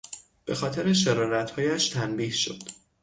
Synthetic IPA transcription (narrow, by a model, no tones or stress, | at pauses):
b̥e̞̰xɒːt̪ʰeɾeʃ̬eɾɒːɾæt̪hɒːjæʃt̪ʰænbiːhʃo̰d̪̥